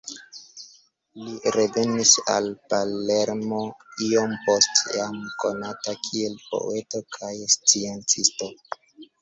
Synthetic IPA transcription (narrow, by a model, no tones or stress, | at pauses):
liɾe̞ve̞nisa̰lpale̞ɾmo̞io̞mpo̞stjamko̞natakʰie̞lpo̞̰ʔe̞to̞kʰajst͡sie̞nt͡sisto̞